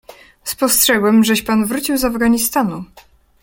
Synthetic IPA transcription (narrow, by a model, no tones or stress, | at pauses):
spɔstʂɛɡwɛmʐɛɕpanvɾut͡ɕiwzavɡaɲist̪anu